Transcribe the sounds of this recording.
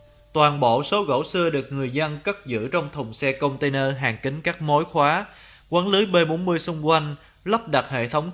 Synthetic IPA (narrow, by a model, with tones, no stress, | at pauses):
t̪waː˨˩nɓo̰˧˨so˨˦ɣo̰˧˩˥sɨ˧əɗɨ˨˩ək̚ŋɨ˨˩əjzə˧nkə˦˥t̚zɨ̰˧˥t͡ɕɔ˧wŋ͡mt̪ʰə˨˩wŋ͡msɛ˧kə˧wŋ͡mt̪e˧nəː˧ɦaː˨˩ŋkï˨˦ŋ̟kaː˦˥k̚mo˨˦jxwaː˨˦ | kwaː˨˦nlɨ˨˦jɓeː˧ɓo˨˦nmɨ˧əjsʊ˧ŋ͡mkwa˧jŋ̟ | lə˦˥p̚ɗa˨˩t̚hḛ˧˨t̪ʰə˨˦wŋ͡m